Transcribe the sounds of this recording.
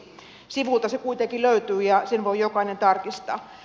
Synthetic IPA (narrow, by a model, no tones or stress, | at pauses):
siʋult̪ɑsekuit̪ekiløyt̪yːjɑsenʋoijokɑinent̪ɑrkist̪ɑ̰ː